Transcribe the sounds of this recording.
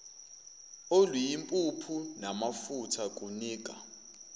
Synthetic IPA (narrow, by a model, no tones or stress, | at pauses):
olwijimpʼupʰunamafutʰakʼuniːkʼa̰